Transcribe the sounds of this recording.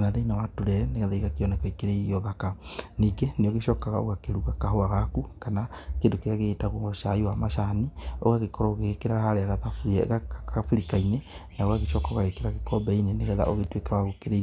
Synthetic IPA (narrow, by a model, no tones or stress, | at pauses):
naðeinawatuɾɛneɣɛðaiɣakeɔnɛkɔikeɾeiɾiɔðakaniːɡeneoɣeʃɔːkaɣao̰ɣakeɾuɣakaɦoaɣakukanakendokeɾeaɣeɣetaɣuŋɔʃaiwamaʃanio̰ɣaɣekɔɾɔoɣeɣekeɾaahaɾeaɣaðafɣafiɾikainenaoɣaɣeʃɔkaoɣaɣekeɾaɣekɔbɛineneɣɛða̰ʔoɣetwekawaɣokeɾe